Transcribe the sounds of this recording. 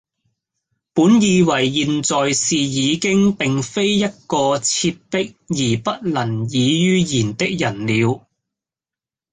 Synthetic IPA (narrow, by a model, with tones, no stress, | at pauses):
puː˨˥njiː˧wɐ˨˩jːiː˨nt͡sɔː˨jsiː˨jiː˨˧kɪ˥ŋpɪ˨ŋfe˥jjɐ˥t̚kɔː˧t͡sʰi˧p̚t̪ɪ˥k̚jiː˨˩pɐ˥t̚lɐ˨˩ŋjiː˨˧jyː˥jiː˨˩nt̪ɪ˥k̚jɐ˨˩nliː˨˧w